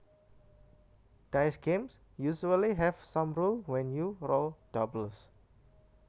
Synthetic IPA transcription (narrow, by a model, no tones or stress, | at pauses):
d̥ajsɡẽms | juʃuəliɦɛvsãmɹulwɛ̃njuɾold̥ɔbləs